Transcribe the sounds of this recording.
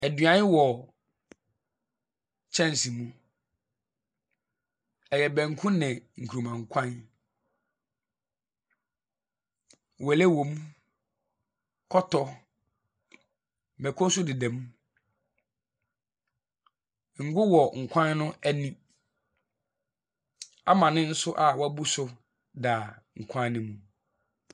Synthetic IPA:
æ˨dɥã˨˦n˦wɔ˨ | t͡ɕʰɛ̃˦n˨si˨mũ˦ | ɛ˨jɛ˨bɛ̃˨ŋ̩˨kʰũ˦nɛ̃˨ŋ̩˨kʰu˨ũ˨mã˨ŋ̩˨kʷʰã˦n˨ | wɛ˨lɛ˦wõ˨mũ˦ | kʰɔ˦tʰɔ˨ | m˨bɛ˨kʰɔ˦sʊ˦dɪ˨dɛ̃˨mũ˦˨ | ŋ̩˨ɡʊ˦wɔ˨ŋ̩˨kʷʰã˦nnʊ̃˦æ˦nĩ˦ | a̰˦mã˨nɪ̃˦n̩˦sʊ˦ʔa˨wɔ˦bu˦sʊ˦ | da˨ | ŋ̩˨kʷʰã˦n˦nɪ̃˦mũ˨

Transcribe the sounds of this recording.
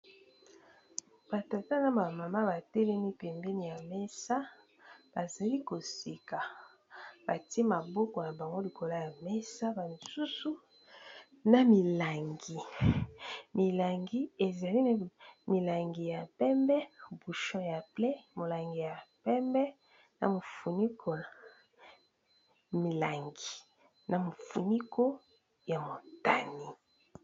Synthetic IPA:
b̥a˨ta˨ta˦na˨ba˨ma˨ma˦ba˨tɛ˦lɛ˦mi˦pɛ˨mbe˦ni˨ja˨mɛ˦sa˦ | b̥a˨za˨li˦ko˨si˨ka˨ | b̥a˨ti˦e˦ma˨bɔ˦kɔ˨na˨ba˨ŋɡo˦li˨ko˨la˦ja˨mɛ˦sa˦ba˨n˨su˦su˦ | na˨mi˨la˨ŋɡi˨ | mi˨la˨ŋɡi˦e˨za˨li˦n˨mi˨la˨ŋɡi˨ja˨pɛ˦mbɛ˦˨bu˨ʃɔ̃˦ja˨plɛ˦mo˨la˨ŋɡi˨ja˨pɛ˦mbɛ˦ | na̰˨mo˨fu˨ni˦kʰo˨la˨ | mi˨la˨ŋɡi˨ | na˨mo˨fu˨ni˦ko˦ | ja˨mo˨ta˨ni˦

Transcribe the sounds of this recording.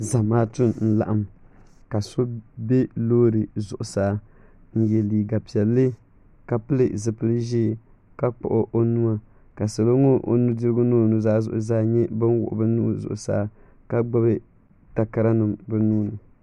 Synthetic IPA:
za˨maː˦tʊ˦nn̩˦la̰˨ʔa˦mka˨so˦bɛ˦loː˦ɾɨ˨zʊ˨ʔʊ˨saː˦ | n̩˦jɛ˨liː˨ɡa˨pi˨ɛ˨lːɨ˦ | ka˨pɨ˦lɨ˨zɨ˨pɨ˦lɨ˦ʒiː˦˨ | ka˦k͡pʊ̰˨ʔʊ˦ʔo˦nu˦a˨ | ka˨sa˨lo˦ŋo˦ʔo̰˨nu˦dɨ˦ɾɨ˦ɡʊ˦nuː˦˨nu˨zaː˦zʊ̰˨ʔʊ˨zaː˦ɲɛ˦bɨ˦nwʊ̰˨ʔʊ̰˨˦bɨ˦nu˦˨zʊ̰˨ʔʊ˨sa̰ː˦ | ka˦ɡ͡ba˦bɨ˦ | ta˨ka˦ɾa˦nɨ˨mbɨ˦nuː˦nɨ˨

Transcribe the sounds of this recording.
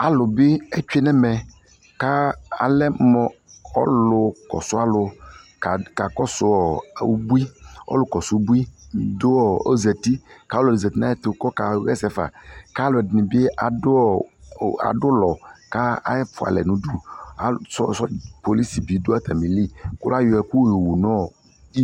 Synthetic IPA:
a˨lʊ˨be˦ɛ˦t͡ʃᶣe˦nɛ˦mɛ˨ | ka˦a̰˨lɛ˦mɔ̃˨ɔ̰˦lʊ˨kɔ̰˨sʊ˦a˨lʊ˨ka˨ka˨kɔ˦sʊ˦wɔ˨˦o̰˦bu˦i˦ɔ̰˦lʊ˦kɔ˨sʊ˦bu˦i˦˨d̪ʊ˦wɔ˦o˦zɛ˨t̪i˦ka˨˦o˦lo˨e˨zɛ˨t̪i˦nã˦e˦t̪e˨o˨˦kɔ˦ka˨˦ɣɛ˦sɛ˨fa̰˨ka˦lʊ˨ɛ˨dɪ˨nĩ˨be˦ʔa˨dʊ˦˨a̰˨dʊ˦lɔ˨ka˦a̰˦ɛ˦fʊ˨a̰˨lɛ̰˨nũ˨du˦a˨sɔ˦sɔ˦po˨li˦si˨bi˨˦do˦a˦t̪ʰa˨mĩ˨li˦˨kʊ˦la˦jo˨ɛ˨ku˦˨jo˨wu˨nɔ̃˦˨ | i˦

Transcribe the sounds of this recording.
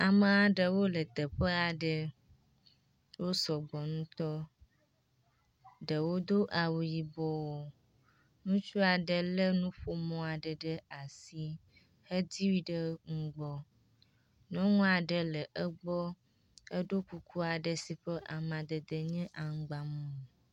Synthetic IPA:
a˨mə̃˨a˨ɖə˨wo˦lə˨t̪ə˨ɸə˦a˨ɖə˨ | wo˦sɔ˨ɡ͡bɔ˨nũ˦t̪ɔ˦ | ɖə˨wo˦d̪o˦ʔa˨wu˨ji˨bɔ˦wo˨ | nũ˦t͡ʃu˦a˨ɖə˨lə˦nũ˦ɸo˦mɔ̃˨a˨ɖə˨ɖə˦a˨si˦ | hə˦d̪i˦wi˦ɖə˦ŋ̩˦ɡ͡bɔ˦ | nɔ̃˦ŋũ˦a˨ɖə˦lə˨ʔə˦ɡ͡bɔ˦ | ə˦ɖo˦ku˦kʰu˦a˨ɖə˨si˨ɸə˦ʔa˨mã˨d̪ə˨d̪ə˨ɲɛ̃˦ʔa˨ŋ̩˦ɡ͡ba˨mɔ̃˦˨

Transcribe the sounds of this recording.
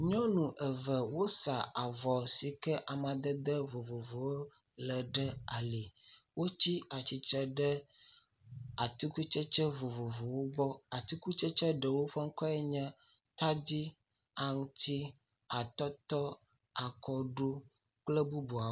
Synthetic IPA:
ɲɔ̃˦nũ˨ʔɛ˨və˨wo˦sa˨a˨vɔ˨si˨kɛ˦ʔa˨mã˨d̪ə˦d̪ə˦vo˨vo˨vo˨wo˦ | lə˨ɖə˦a˨li˨wo˦t͡ɕi˦a˨t͡ɕi˨t̪ɾɛ˦ɖɛ˦ | a˨t̪i˦ku˦t͡ʃɛ˦t͡ʃɛ˦vo˨vo˨vo˨wo˦bɔ˦a˨t̪i˦ku˦t͡ʃɛ˦t͡ʃɛ˦ɖə˨wo˦ɸɛ˦ŋ̩˦kɔ˦ɛ˦ɲã˦ | t̪a˦d͡ʑi˦ | a˨ŋũ˦t̪i˦ | a˨t̪ɔ˦t̪ɔ˦ | a˨kɔ˨ɖu˦ | k͡plə˦bu˦bu˨a˨

